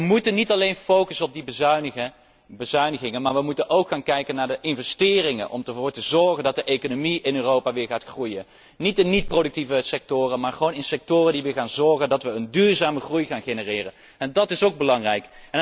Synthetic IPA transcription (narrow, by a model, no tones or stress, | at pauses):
əmutənitɑlejnfowkəsənɔb̚dib | bəzœɥnəχɪŋənmaːɹʋəmutənʔowkχaːnkɛjkənːaːɹdəʔɪnvɛstɪːrɪŋə̰nʔɔ̰mtəvʊːɹtəzɔɹχəndɑt̚dəʔekonomiɪnøːrowpaːʋɪːɹχaːtχrujən | nitənit̚prowdək̚tivəsɛk̚tʊːrənmaːɹχəʋownɪnsɛk̚tʊːrəndiʋɪːɹχaːnzɔɹχəndɑtʋəəndyːɹzaːməχrujχaːnχenərɪːrə̰n | ɛndɑtɪsowɡ̚bəlɑŋrɛjkɛn